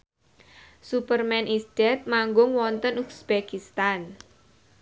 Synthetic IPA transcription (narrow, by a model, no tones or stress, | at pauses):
supərmɛnʔisd̥ɛt̪̚maŋɡʊŋwɔnt̪ənuksb̥ekist̪an